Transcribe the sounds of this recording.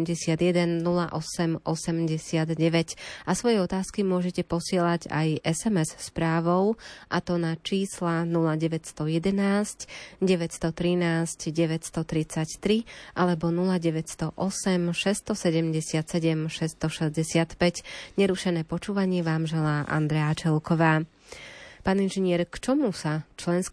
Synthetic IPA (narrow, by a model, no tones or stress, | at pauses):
mɟɛsɪad̪jɛd̪ɛnːulaʔɔsɛmʔɔsɛmɟɛsɪad̪ɟɛʋɛcasʋɔjɛɔt̪aːskimʊɔʒɛcɛpɔsɪɛlaɟa̰jʔɛsɛmɛsspɾaːʋɔʊʔat̪ɔnat͡ʃiːslanulaɟɛʋɛcst̪ɔjɛd̪ɛnaːscɟɛʋɛcst̪ɔt̪ɾinaːscɟɛʋɛcst̪ɔt̪ɾit͡sact̪ɾiʔalɛbɔnulaɟɛʋɛcst̪ɔʔɔsɛmʃɛst̪ɔsɛɟɛmɟɛsɪat̪sɛɟɛmʃɛst̪ɔʃɛzɟɛsɪat̪pɛcɲɛɾuʃɛnɛːpɔt͡ʃuːʋaɲɪɛʋaːmʒɛlaːʔa̰nd̪ɾɛat͡ʃɛlkɔʋaː | paːninʒɛɲɪɛɾkt͡ʃɔmusat͡ʃlɛnsk